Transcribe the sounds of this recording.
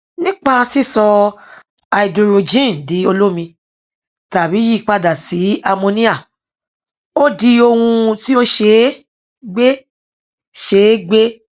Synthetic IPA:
nĩ˦k͡pa˦˧si˦˨sɔ˧ | a˧i˨do˧ɾo˨˧d͡ʒĩ˦˨di˨˦o˧lo˦mĩ˧ | ta˨bi˨˦ji˦˨k͡pa˧da˨si˨˦a˧mõ˧nĩ˦a˦˨ | o˦di˧o˧hũ˧ti˦o˦ʃe˧˦ | ɡ͡be˦ | ʃe˦ɡ͡be˦

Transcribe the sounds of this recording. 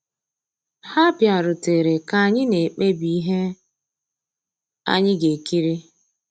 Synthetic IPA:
ha˦pja˨ɾʊ˨te˨ɾe˨ka˨ɲɪ˦ne˨k͡pe˦bi˨i˦ɦe˦ | a̰˦ɲɪ˦ɡe˨ki˦ɾi˦

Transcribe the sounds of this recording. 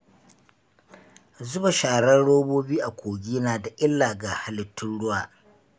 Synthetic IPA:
zʊ˦ba˨ʃaː˨ɽɐ˦nɽoː˦boː˦biː˦ʔa˨kʷoː˨ɡʲiː˦naː˨da˨ʔɪ˦lːaː˨ɡa˨ha˦lɪ˨tːʊ˦nɽʊ˦waː˨

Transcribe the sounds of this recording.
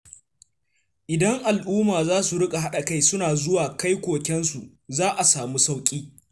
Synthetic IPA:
ʔɪ˨dɐ˦ŋʔa˨lʔuː˦maː˨zaː˦su˨ɽʊ˦kʼa˨ɦa˦ɗa˨ka˦jsʊ˦naː˨zʊ˦waː˨ka˦jkʷoː˨kʲɛ˦nsu˨ʔ | zaː˦ʔa˨saː˨muː˦sa˦wkʲʼiː˦

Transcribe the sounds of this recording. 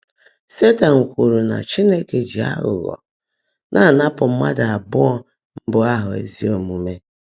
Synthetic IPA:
se˦ta˨ŋ̩˨kʷu˨ɾu˨na̰˨t͡ʃi˦ne˦ke˨d͡ʒi˨a̰˦ɣʊ̰˨ɣɔ̰˨ | nʔa˦˨na˦pʊ˨m̩˦ma̰˦da˨a˨bʊ˦ɔ˦ | m̩˦bʊ˨a˦ɦʊ˨ḛ˨zi˦o˨mu˨me˦

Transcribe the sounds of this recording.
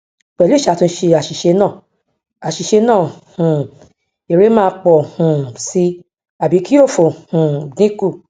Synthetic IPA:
k͡pɛ˨le˦˨ʃa˨˦tũ˧˦ʃe˧a˨ʃi˨ʃe˧nãː˦˨ | a˨ʃi˨ʃe˧nãː˦˨hũ˨ | e˨ɾe˨˦mãː˦˧˦k͡pɔ˨hũ˨si˧ | a˨bi˨˦ki˦o˦˨fo˨hũ˨nĩ˦ku˦˨

